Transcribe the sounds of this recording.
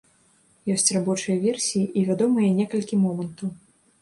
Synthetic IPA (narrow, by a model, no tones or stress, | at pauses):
jɔsʲt͡sʲrabɔt͡ʂɨjɐvʲɛrsʲijiʔivʲad̪ɔmɨjɐnʲɛkɐlʲkʲimɔmɐnt̪ɐw